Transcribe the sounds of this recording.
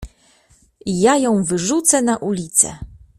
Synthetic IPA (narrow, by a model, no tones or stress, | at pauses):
jajɔ̃w̃vɘʐut̪sɛnaʔulʲit̪sɛ̰